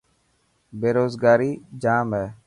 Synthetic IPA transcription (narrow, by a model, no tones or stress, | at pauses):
beːɾoːzɡaːɾiːd͡ʒaːmɦɛː